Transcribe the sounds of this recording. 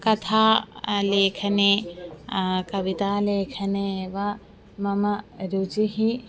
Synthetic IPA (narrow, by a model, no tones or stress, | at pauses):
kɐt̪ʰaːleːkʰɐneː | kɐʋit̪aːleːkʰɐneʋɐ | mɐmɐɾut͡ʃiɦi